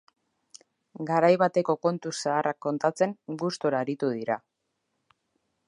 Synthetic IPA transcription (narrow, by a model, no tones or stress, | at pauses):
ɡaɾajβat̪e̞ko̞ko̞nt̪usaːrakːo̞nt̪at͡se̞ŋɡust̪oɾaɾit̪uð̞iɾa